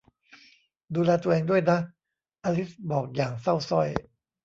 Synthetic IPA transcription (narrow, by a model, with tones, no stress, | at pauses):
duː˧lɛː˧t̪u˧ɐ˧ʔeː˧ŋdu˥˩əjna˦˥ | ʔaː˧li˦˥sbɔː˨˩k̚jaː˨˩ŋsa˥˩wsɔ˥˩j